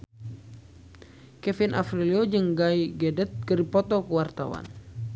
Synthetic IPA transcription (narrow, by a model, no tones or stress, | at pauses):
kɛfinʔa̰fɾiliɔd͡ʒɨŋɡaiɡɛdɛt̪̚kəripɔt̪ɔkuwart̪a̰wa̰n